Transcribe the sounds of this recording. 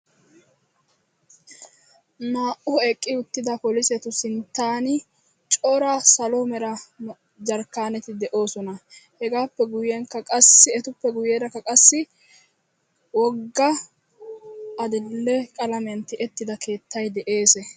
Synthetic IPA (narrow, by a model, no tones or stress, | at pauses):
naːʔʊɛkʼːɪʊt̪ːɪd̪ɐpɔlɪsɛt̪ʊsɪnt̪ːaːnɪ | t͡ʃʼɔːɾasɐlomɛɾɐ | d͡ʒɐɾkːaːnɛt̪ɪd̪ɛʔo̞ːsɔnɐhɛɡaːpːɛɡʊjɛŋkːɐkʼɐsːɪɛt̪ʊpːɛɡʊjeːɾɐkːɐkʼɐsːɪ | wɔɡːɐ | ɐd̪ɪlːɛkʼɐlɐmjɐnt̪ːɪʔɛt̪ːɪd̪ɐkʰe̞ːt̪ːɐjd̪ɛʔe̞ːsɛ